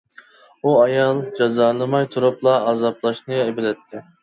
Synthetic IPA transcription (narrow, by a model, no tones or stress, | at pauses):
uɑjɑlˠd͡ʒɑzɑːlˠɨmɑjt̪ʰuɾuplˠɑːzɑplˠɑʃnɨebɪlɛt̪ʰːɪ